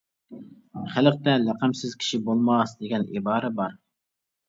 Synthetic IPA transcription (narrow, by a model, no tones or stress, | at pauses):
χæləq̚t̪ɛlæqəmsɪz̥kʲʰi̥ʃibolˠmɑsd̪eɡʲɛnibɑːɾɛbɑɾ